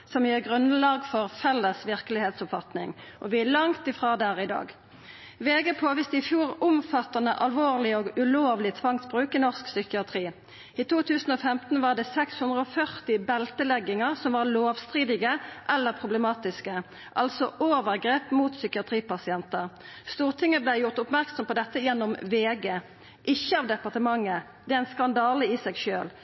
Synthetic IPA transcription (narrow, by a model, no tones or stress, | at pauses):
sɔmjøːʁɡʁʉnlɑːɡfɔʁfɛlːəsʋɪʁkəlɪheːt̪sʊpfɑt̪nɪ̰ŋʔɔ̰ʋɪælɑŋt̪ɪfʁɑːd̪æːʁɪd̪ɑ̰ːɡ | ʋeːɡəpʰoːʋɪsd̪ɛɪfjuːʁʊmfɑt̪ɑnəʔɑlʋoːʁlɪɔɡʉloːʋlɪt̪ʰʋɑŋt̪bʁʉːkənɔʁsksʏkɪɑt̪ʰʁiː | iːt̪ʰuːt̪ʰʉːsn̩oːfɛmt̪n̩ʋɑːʁd̪ɛːsɛkshʉnd̪ʁəɔfœʁt̪ɪbɛlt̪əlɛɡːɪŋəʁsɔmʋɑːʁloːʋst̪ʁiːd̪ɪɡəʔɛlːəʁpʰʁʊbləmɑːt̪ɪskə | ʔɑlsɔʔoːʋəʁɡʁeːpmuːt̪sʏkɪɑt̪ʁiːpɑsɪɛnt̪əʁ | st̪uːʁt̪ʰɪŋːəblæɪjʊʁt̪ʊpmæʁksɔmpɔd̪ɛt̪ːəjɛnːɔmʋeːɡeː | ʔɪçːəɑːʋd̪ɛpɑʁt̪əmɑŋːə | d̪ɛæɪnskɑnd̪ɑːləisɛɡʃøːl